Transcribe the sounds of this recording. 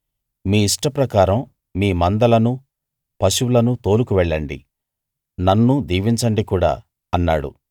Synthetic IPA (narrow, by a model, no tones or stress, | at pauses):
miːiʂʈɐpɾɐkaːɾɐm | miːmɐnd̪ɐlɐnu | pɐʃuʋlɐnut̪o̞ːlukuʋɛɭːɐɳɖḭ | nɐnːud̪iːʋiɲt͡ʃɐɳɖikuːɽa̰ː | ɐnːaːɽṵ